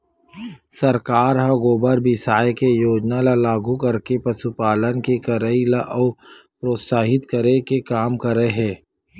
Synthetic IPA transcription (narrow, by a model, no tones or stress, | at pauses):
sɐɾkaːɾɦɐɡoːbəɾbɪsaːjkejoːd͡ʒnalalaːɡukɐɾkepɐsupaːlənkekəɾəilaʔɔːpɾoːt̪saːɦɪt̪kəɾekekaːmkɐɾəeɦɛ̃ː